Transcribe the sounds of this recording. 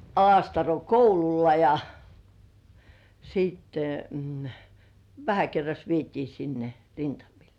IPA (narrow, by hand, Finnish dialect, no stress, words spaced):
ɑlɑstɑro koululːɑ jɑ siːtːe ʋæhæ kerːɑs ʋietiː sinːe rintɑmil